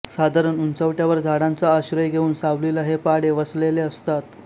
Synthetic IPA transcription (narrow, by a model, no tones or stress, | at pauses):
sad̪ʱaɾənunt͡səʋʈjaʋəɾd͡zʱaɽant͡saːɕɾəjɡʱeuːnsaʋleləɦepaɽeʋəsleleəst̪at̪